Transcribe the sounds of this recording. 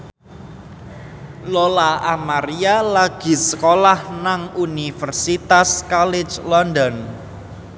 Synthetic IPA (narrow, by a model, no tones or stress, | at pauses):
lolaʔamaɾialaɡ̥i̤səkolahnaŋunifərsit̪askɔlɪ̥d͡ʒlɔnd̪ɔn